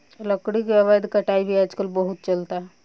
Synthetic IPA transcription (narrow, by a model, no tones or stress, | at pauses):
ləkɽiːkɛʋad̪kəʈaibʱiːad͡ʒkəlbəɦut̪̚t͡ʃəlt̪a